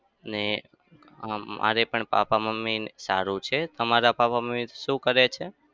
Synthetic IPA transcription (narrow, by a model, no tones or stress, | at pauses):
əne | mʔa̰ɾepəɳpa̰paməmːinsaɾũt͡ʃʰet̪əmaɾapapaməmit̪ʃũkəɾet͡ʃʰe